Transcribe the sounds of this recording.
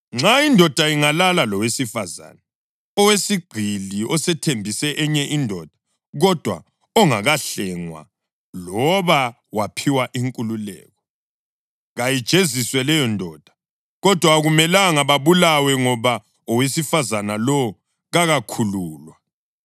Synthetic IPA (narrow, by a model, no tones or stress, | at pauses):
ŋ͡ǁaindʱɔd̥ʱaiŋalalalɔwesifaza̰ːna | ɔwesiɡ͡ǀʱiliʔɔsɛtʰembʱisɛʔɛɲɛʔindʱɔd̥ʱḁ | ɣɔd̥ʱwa̰ | ɔŋaɣaɬɛŋwa̰ | lɔβa | wapʰiwaʔiŋkʼululɛ̰ːɣɔ | ɣajid̥ʒ̥ʱeziswɛlɛjɔndʱɔd̥ʱḁ | ɣɔd̥ʱwaɣumɛlaŋaβaβulawɛŋɔβa | ɔwesifazanalɔ | ɣaɣakʰuluːlwa